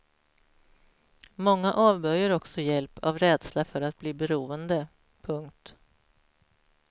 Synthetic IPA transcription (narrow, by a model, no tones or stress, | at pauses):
mɔŋːaʔɑːvbœɾjaɾɔksɔjɛlpʰa̰vɾɛːd̪slafœɾat̪̚bliːbɛɾuːənd̪ə | pʰɵŋk̚t̪